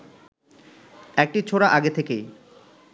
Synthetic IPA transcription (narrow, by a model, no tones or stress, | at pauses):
ɛk̚ʈit͡ɕʰoɽaʔaɡet̪ʰekej